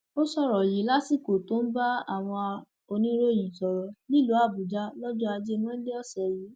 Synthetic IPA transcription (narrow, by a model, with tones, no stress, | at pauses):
o˦sɔ˦˨ɾɔ˨ji˨˦la˦si˦˨ko˨to˨˦n̩˦ba˦a˦˨w̃ɔ̃˧ | o˧nĩ˦ɾo˦˨j̃ĩ˨sɔ˨ɾɔ˨˦ni˦lu˨˦a˦˨bu˨d͡ʒa˦lɔ˦d͡ʒɔ˦a˧d͡ʒe˦˧mɔ̃˦le˦ɔ˦˨sɛ˨ji˨˦